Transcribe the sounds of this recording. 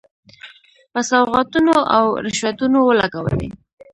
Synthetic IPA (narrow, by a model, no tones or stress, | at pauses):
pasawɣɑt̪unoʔawɾɪʃwat̪unowəlaɡawə̰lḭ